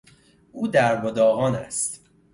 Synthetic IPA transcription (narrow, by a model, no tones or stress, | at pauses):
ʔuːd̪æɾbod̪ɒːɣɒːnæ̰st̪